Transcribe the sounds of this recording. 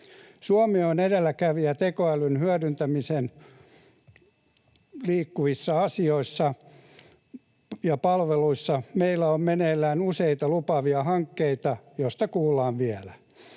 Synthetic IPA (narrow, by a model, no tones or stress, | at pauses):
suɑmeonedelːækæʋijɑt̪ekoælynhyædynt̪æmisen | liːkːuʋisːɑɑsioisːɑ | jɑpɑlʋeluisːɑmeilːæommeneːlːæːnuseit̪ɑlupɑʋiɑhɑŋkːeit̪ɑjoist̪ɑkuːlːˑɑːnʋiælæ